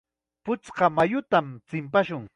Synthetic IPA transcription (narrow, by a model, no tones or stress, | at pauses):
pʊt͡sqɑmajʊt̪amt͡sɪmpaʃʊŋ